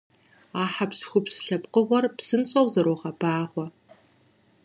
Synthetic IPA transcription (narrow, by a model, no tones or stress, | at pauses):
aːħapsxʷʊpsɬɐpqəʁʷɔrpsɨnt͡sʼɐwzɐɾoːʁɐbaːʁʷɔ